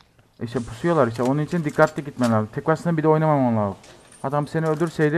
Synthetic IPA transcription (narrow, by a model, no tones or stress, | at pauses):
iʃt̪ɛpʰu̥sujo̞lˠaɾiʃt̪ɛonunit͡ʃʰind̪ikːat̪lˠaɟit̪mɛlʲaɾzɯmt̪ʰekvasɯnabid̪ɛo̞jnamamonlˠalˠɯ | had̪aamseniølʲd̪yɾsejd̪i